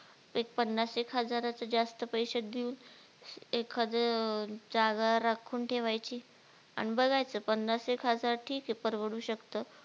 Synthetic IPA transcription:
ek̚pənːasekɦəd͡zaɾat͡səd͡zast̪əpəjɕəd̪ʱiuːn | ekʰad̪əd͡zaɡaɾakʰuːnʈʰeʋajt͡ɕiː | a̰ɽ̃ibəɡajt͡səpənːasekɦəd͡zaɾʈʰiːkepəɾʋəɽuːɕəkt̪ə

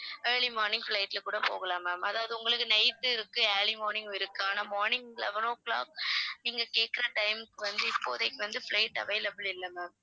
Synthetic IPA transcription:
eːɾɭimaːɾnɪŋɡflɐɪʈːɪlkːuːɽɐpo̰ːɣɐlãːmaːmɐðaːʋɐðɯʊŋɡɐɭɯkːɯnɐɪt̪ːɯɪɾɯkːɯeːɭimoːɾnɪ̃ŋɡɪɾɯkːɯaːnaːmoːɾnɪŋɡlɛ̰ʋɐnoːkːla̰ːk̚niːŋɡɐkeːʈ̚kɪɾɐʈɐɪmkːɯʋɐnd̪ɯɪpːo̰ːðɐɪkːɯʋɐnd̪ɯflɐɪʈːɐ̰ʋɐɪlɐbɯlɪlːɐmɛːm

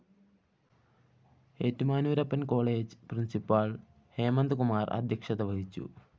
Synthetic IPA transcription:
eːtːumaːnuːɾɐpːɐnko̞ːɭeːd͡ʑprinsipaːɭ | heːmɐnd̪kumaːrɐ̰d̪ʱjɐkʂɐd̪ɐʋɐɦit͡ɕːṵ

